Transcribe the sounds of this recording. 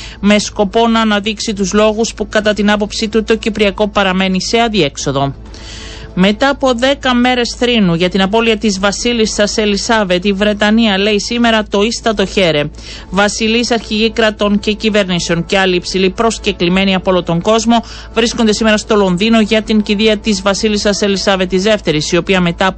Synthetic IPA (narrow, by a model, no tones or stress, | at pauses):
me̞sko̞po̞nɐːnɐðiksit̪uzlo̞ɣuspukɐt̪ɐt̪inɐp̬o̞psit̪ut̪o̞cipɾiɐko̞pɐɾɐme̞nise̞ɐðie̞kso̞ðo̞ | me̞t̪ɐːpo̞ðe̞kɐme̞ɾe̞sθɾinuʝɐt̪inɐp̬o̞liɐt̪izvɐsilisɐse̞lisɐve̞t̪ivɾe̞t̪ɐniɐle̞isime̞ɾɐt̪o̞ist̪ɐt̪o̞çe̞ɾe̞ | vɐsilisɐɾçiʝikɾɐt̪o̞ɲce̞cive̞ɾniseo̞ŋce̞ɐliːpsilipɾo̞sce̞klime̞niɐpoolot̪o̞ŋɡo̞zmo̞ | vɾiskond̪e̞sime̞ɾɐst̪o̞lo̞nðino̞ʝɐt̪iɲciðiɐt̪izvɐsilisɐselisɐve̞t̪ːizðe̞ft̪e̞ɾisio̞piɐme̞t̪ɐ